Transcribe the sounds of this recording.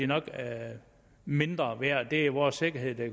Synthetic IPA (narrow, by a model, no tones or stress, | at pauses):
inɒ̽ɡ̥ | me̝nd̥ʁɐʋæɐ̰d̥e̝iʋɒːsːe̝ɡ̥ɐɦe̝ð̰ˠd̥e